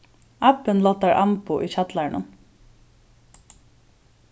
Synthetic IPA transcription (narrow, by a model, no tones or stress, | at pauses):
apːɪnlɔt̪ːaɹʔampʊʔit͡ʃat̪laɹnʊ̰n